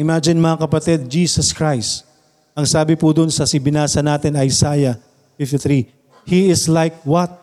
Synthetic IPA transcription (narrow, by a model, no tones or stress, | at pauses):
ʔɪmad͡ʒɪnmɐŋakɐpɐt̪ɛd̪̚d͡ʒiːsɐskɹajst̪ | ʔɐŋsaːbɪpʊd̪ʊnsɐsɪbɪnaːsɐnaːt̪ɪnɐjsaːjɐ | fɪft̪ɪθɾi | hiɪslajk̚wɐt̪̚